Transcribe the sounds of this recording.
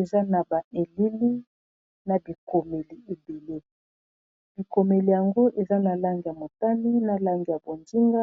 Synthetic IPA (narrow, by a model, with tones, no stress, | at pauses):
e˨za˦na˨ba˨ʔe˨li˦li˦ | na˨bi˨ko˨me˨li˨e˨be˨le˦ | b̥i˨ko˨me˨li˨ja˨ŋɡo˦ʔe˨za˦na˨la˦ŋɡi˨ja˨mo˨ta˦ni˦na˨la˦ŋɡi˨ja˨bo˨ndi˦ŋɡa˦